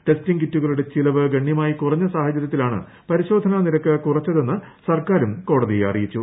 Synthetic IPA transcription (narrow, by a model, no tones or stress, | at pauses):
ʈe̞stiŋɡitːuɣɐɭuɽe̞t͡ɕilɐʋɨɡɐɳːjɐmaːjikurɐɲːɐsaːhɐt͡ɕːɐɾjɐt̪ːilaːɳɨ̰ | pɐɾiɕo̞ːd̪ʱɐnɐniɾɐkːɨkurɐt͡ɕːɐðe̞nːɨsɐrkaːɾumko̞ːɽɐðijeɐ̰rḭjit͡ɕːu